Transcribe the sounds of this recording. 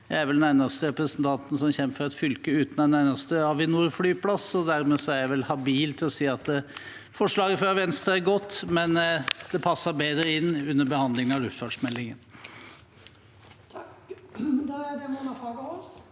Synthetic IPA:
jæɪæɾʋɛld̪ɛnæɪnɑst̪əɾɛpɾəsənt̪ʰɑnt̪ən̩sɔmçɛmːəfɔɾɑt̪fʏlkəʉːt̪nænæɪnɑst̪əɑʋɪnuːɾflyːpʰlɑsɔd̪æɾmɛsɔæɾjæʋɛlhɑbiːlt̪ʰɪlɔsiːɑt̪ː | fɔʂɭɑːɡəfɾɑʋɛnst̪ɾɑæɾɡɔt̪ːmɛnd̪̥ɛpʰɑsːɑɾbeːd̪ɾəɪnːʉnːəɾbəhɑnd̪lɪŋɑlʉft̪fɑɖʂmɛlːɪŋən | kd̪d̪ɛmɔmɑfɑːɡəɔs

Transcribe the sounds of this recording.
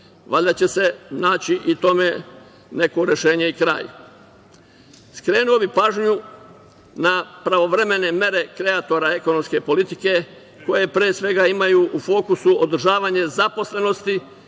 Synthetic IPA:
ʋaʎʲd̪at͡ɕe̞se̞naːt͡ɕiʔit̪o̞me | ne̞ko̞ɾe̞ʃe̞ːɲe̞ikɾa̰ːj | skɾe̞ːnuo̞bipaːʒɲu | napɾaʋo̞ʋɾe̞me̞ne̞mje̞ɾe̞kɾe̞at̪o̞ɾae̞ko̞no̞mske̞po̞lit̪ike̞ | ko̞je̞pɾeːsʋe̞ɡaimajuːʔufo̞ːkusuod̪r̩ʒaːʋaɲe̞zapo̞sle̞no̞st̪i

